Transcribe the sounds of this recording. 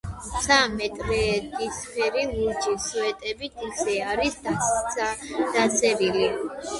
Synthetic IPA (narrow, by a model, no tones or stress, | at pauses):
t̪sʰamɛt̪ʼɾɛːd̪isχɛɾiluɾd͡ʒisɛt̪ʼɛbit̪ʰisɛaɾisd̪a | d̪̥at̪sʰɛɾili